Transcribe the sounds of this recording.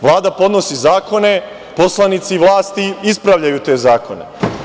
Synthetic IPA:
ʋlˠaːd̪apo̞d̪no̞sizaːko̞ne̞ | po̞slˠanit̪siʋlaːst̪iispɾaʋʎajut̪e̞ːzaːko̞nḛ

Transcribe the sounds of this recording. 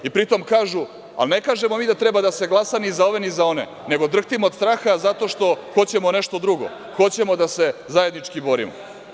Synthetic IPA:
ipɾit̪o̞mkaːʒu | a̰lne̞kaːʒemo̞miːd̪at̪ɾebad̪ase̞ɡlˠasanizao̞ʋe̞nizao̞nḛ | ne̞ɡo̞d̪r̩xt̪imoːd̪st̪ɾaːxazat̪o̞ʂt̪o̞xo̞t͡ɕe̞moneʃt̪o̞d̪ɾuɡo̰ | xo̞t͡ɕe̞mo̞d̪ase̞zaje̞d̪nit͡ʂkibo̞ɾḭmo̰

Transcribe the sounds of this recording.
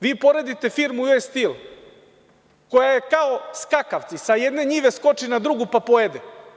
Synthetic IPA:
ʋiːpo̞ɾe̞d̪it̪e̞fiɾmujojst̪il | kojajekaoskakaʋt̪sisajed̪ne̞ɲiːʋe̞sko̞t͡ʃinad̪ɾuɡupapoed̪e

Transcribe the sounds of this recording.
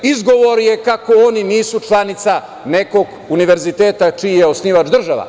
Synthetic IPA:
izɡo̞ʋo̞ɾjekako̞oniniːsut͡ʂlˠanit̪sa | ne̞ko̞ɡ | uniʋeɾzit̪eːt̪at͡ʃijeosniʋat͡ʃd̪r̩ʒaʋa̰

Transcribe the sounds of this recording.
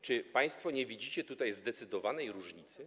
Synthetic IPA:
t͡ʂɘpaj̃st̪fɔɲɛvʲid͡ʑit͡ɕɛt̪ut̪ajzd̪ɛt̪sɘd̪ɔvanɛjɾuʐɲit̪sɘ

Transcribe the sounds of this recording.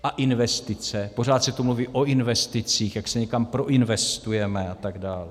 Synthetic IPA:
ʔaʔɪnvɛst̪ɪt͡sɛpo̞r̝aːt̪sɛt̪umluviːʔoʔɪnvɛst̪ɪt͡siːxjaksɛɲɛkampɾo̞ʔɪnvɛst̪ujɛmɛat̪aɡdaːl

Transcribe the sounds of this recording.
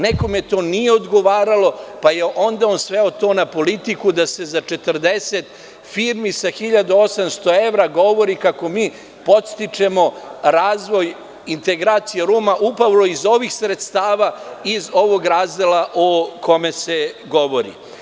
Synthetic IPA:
neko̞met̪o̞ːnijeod̪ɡo̞ʋaːɾalo̞pajeʔo̞nd̪aonsʋeo̞t̪o̞ːnapo̞lit̪ikud̪ase̞zat͡ʃe̞t̪r̩d̪eset̪ | fiɾmisaxiʎad̪uosamst̪o̞e̞ʋɾaɡo̞ʋo̞ɾikako̞miː | po̞t̪st̪it͡ʂe̞mo̞ɾaːzʋo̞j | int̪e̞ɡɾaːt̪sijeɾuːmaʔupaʋlo̞izo̞ʋixsɾet̪st̪aːʋaizo̞ʋoɡɾaːzd̪elaʔokʰo̞mese̞ɡoʋo̞ɾḭ

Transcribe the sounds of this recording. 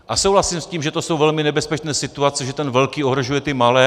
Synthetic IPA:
ʔasowɦlasiːmsciːmʒɛt̪oso̞wvɛlmɪnɛbɛspɛt͡ʃnɛːsɪt̪uat͡sɛʒɛt̪ɛnvɛlkiːoɦɾo̞ʒujɛt̪ɪmalɛː

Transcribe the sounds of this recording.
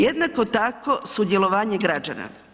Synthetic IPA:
jed̪nako̞t̪ako̞sud̪je̞lo̞ʋaːɲeɡɾad͡ʒa̰na̰

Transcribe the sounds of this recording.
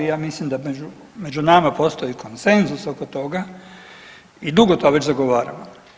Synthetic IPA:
ijaːmislimd̪amed͡ʒu | me̞d͡ʒunamapo̞ːst̪o̞jikʰo̞nse̞nzusokot̪o̞ɡa | id̪uɡot̪oɡaʋe̞t͡ɕzaɡoʋaːɾa̰mo

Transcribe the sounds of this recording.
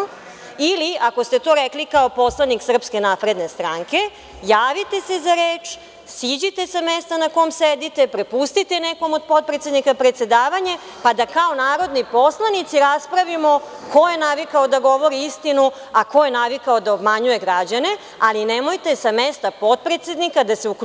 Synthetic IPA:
iliako̞st̪e̞t̪o̞ɾeklikaopo̞slˠaniksr̩pske̞napɾe̞d̪ne̞st̪ɾaŋke̞ | jaːʋit̪e̞sezaɾeːt͡ʃ | siːd͡ʑit̪esamest̪anako̞jmsed̪it̪e̞pɾepust̪it̪e̞neko̞mod̪̚po̞t̪̚pɾet̪sjed̪nikapɾet̪se̞d̪aːʋaɲe | pad̪akao̞naːɾo̞d̪nipo̞slˠanit̪siɾaspɾaʋimo̞ | ko̞je̞naʋikaod̪aɡo̞ʋo̞ɾiist̪inu | ako̞jenaʋikaod̪aobmaɲuje̞ɡɾad͡ʑane̞ | alinemo̞jt̪esamest̪apo̞t̪̚pɾet̪sjed̪nikad̪aseuk

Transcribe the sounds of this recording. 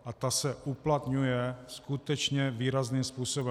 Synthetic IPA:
ʔat̪asɛʔuplat̪ɲujɛskut̪ɛt͡ʃɲɛviːɾazniːmspuːsobɛ

